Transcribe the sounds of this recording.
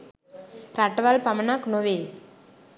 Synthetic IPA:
ɾaʈːʋalpɐmɐnaknoʋe

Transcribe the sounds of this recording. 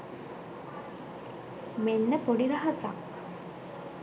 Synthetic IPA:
menːəpoɖiɾɐɦasa̰k

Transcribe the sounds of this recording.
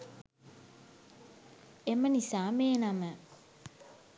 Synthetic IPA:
emənisaːmeːnamə

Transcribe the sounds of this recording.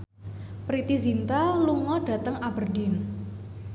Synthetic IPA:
pɾit̪izint̪aluŋɔɖ̥a̤t̪əŋabərdin

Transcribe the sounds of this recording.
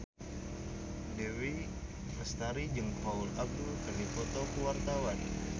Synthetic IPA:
dewi | məst̪aɾid͡ʒəŋpaulab̚dukɨrdifɔt̪okəwart̪awan

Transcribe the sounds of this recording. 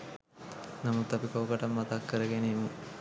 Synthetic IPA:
nɐmut̪ːɐpikowkɐʈɐmːɐt̪ɐkːəɾəɡenejmːu

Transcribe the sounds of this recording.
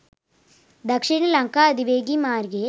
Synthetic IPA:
d̪ɐkʂiɳɐlɐŋkaɐd̪iʋeːɡimaːɾɡe

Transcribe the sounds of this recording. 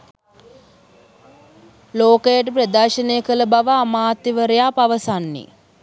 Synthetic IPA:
loːkəjəʈəp̬rəd̪aːʃənejəkələbaʋəamaːt̪iʋəɾejaːpaʋəsanːḭ

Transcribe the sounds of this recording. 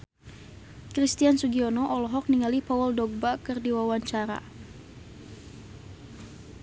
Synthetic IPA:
kɾist̪iansuɡiɔnɔʔɔlɔɦɔk̚niŋalipaɔldɔɡ̚bakɨrdiwawaɲt͡ʃaɾa̰

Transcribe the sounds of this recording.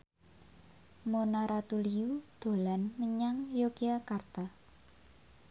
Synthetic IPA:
monaɾat̪uliud̪̥o̤lanməɲaŋjokiakart̪a

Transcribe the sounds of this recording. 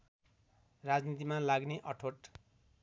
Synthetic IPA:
rad͡znit̪̬imalaɡneʔʌʈʰoʈ

